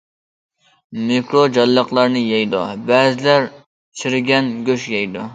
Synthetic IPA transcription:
mekɾod͡ʒɑlːəqlˠɑɾnɨjɛjd̪ṵbæzɪlæɾ | t͡ʃʰɪɾɪɡʲɛnɡʲøʃjɛjd̪u

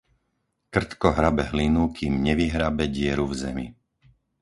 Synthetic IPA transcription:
kr̩t̪kɔɦɾabɛɦlinukʰiːmɲɛʋiɦɾabɛɟɪɛɾuvzɛmḭ

